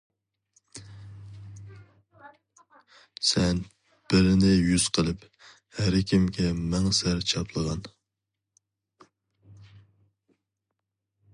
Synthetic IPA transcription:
sɛn | b̥ɪɾɪnɪjyz̥qʰəlˠɨp | hæɾkʲʰimkʲɛmɛŋsæɾt͡ʃʰɑpʰlˠəʁɑn

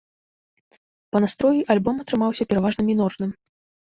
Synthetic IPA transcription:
pɐnast̪ɾɔjiʔalʲbɔmɐt̪ɾɨmawsʲɐpʲɛɾavaʐnɐmʲinɔrnɨm

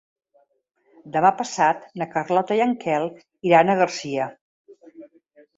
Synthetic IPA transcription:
d̪əmapəsat̪nəkərlɔt̪əjəŋkʰɛlˠ | iɾanəɣəɾsiə

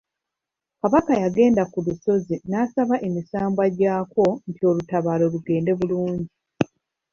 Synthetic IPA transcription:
kaβakajaɡe̞ːndakuluso̞zinasaβaʔe̞misaːmbwaɟaːko̞ntio̞lutaβalo̞luɡe̞ːnde̞βuluːɲɟi

